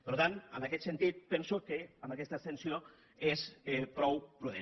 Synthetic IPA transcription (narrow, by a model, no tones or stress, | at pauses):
pəɾut̪anə̰nəkɛt̪sənt̪it̪̚pɛnsukəəmbəkɛst̪əst̪ənsio | espɾɔwpɾuðḛ